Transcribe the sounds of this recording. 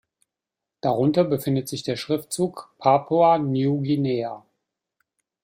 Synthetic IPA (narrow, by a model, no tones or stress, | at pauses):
d̥aʁ̞ʊntɐbəfɪndətz̥ɪçd̥eːɐʃʁ̥ɪftt͡suːkpʰapʰuanjuːɡinɛːa